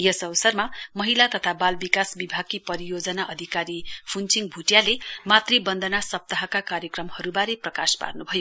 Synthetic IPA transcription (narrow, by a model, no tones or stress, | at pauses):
jʌsʌbʌsʌrmamʌɦilat̪ʌt̪ʰabalbikasbibʱaɡ̚kipʌɾijod͡zʌnaʔʌd̪ʱikaɾipʰunt͡siŋɡbʱuʈjalemat̪ribʌnd̪ʱʌnasʌp̚t̪aɦʌkakaɾjʌkrʌmhʌɾubaɾeprʌka̰spa̰rnubʱʌjo